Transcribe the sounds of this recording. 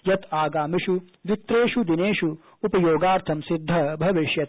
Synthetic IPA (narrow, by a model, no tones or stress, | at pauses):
jɐt̪aːɡaːmiʃu | ʋit̪ɾeːʃud̪ineːʃu | upɐjoːɡaːɾt̪ʰɐmsid̪ʱːɐbʱɐʋiʃjɐt̪